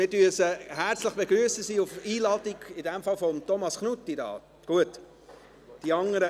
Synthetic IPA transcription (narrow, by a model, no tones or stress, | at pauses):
mɪɾdyəsəhæɾt͡slɪχb̥eɡɾyəsəsiːʊfiːlɑːtiɡɪdɛmfɑlfɔmt̪ɔmɑsknutːidɑ̰ː | ɡ̥uət | d̥iɑŋːəɾə